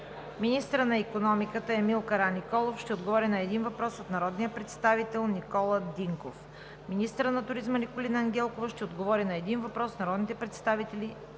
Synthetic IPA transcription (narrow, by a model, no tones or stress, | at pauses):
minist̪əɾənɐikonɔmikət̪əɛmilˠkəɾanikɔlˠofʃt̪ɛod̪ɡovɔɾinɐɛd̪invɐpɾɔsot̪nɐɾɔd̪nijəpɾɛt̪st̪avit̪ɛlˠnikɔlˠəd̪iŋkof | minist̪əɾənɐt̪ʊɾizmənikolʲinəɐŋɡʲɛlˠkovəʃt̪ɛod̪ɡovɔɾinɐɛd̪invɐpɾɔsnɐɾɔd̪nit̪ɛpɾɛt̪st̪avit̪ɛli